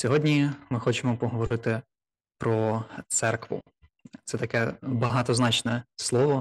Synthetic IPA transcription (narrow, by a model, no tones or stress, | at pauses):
sʲɔɦɔdʲnʲimɪxɔt͡ʃemɔpɔɦɔʋɔɾɪt̪ɪ | pɾɔt̪sɛrkʋʊ̰ | t̪sɛt̪ɐkɛbɐɦɑt̪ɔznɑt͡ʃnɛslˠɔʋɔ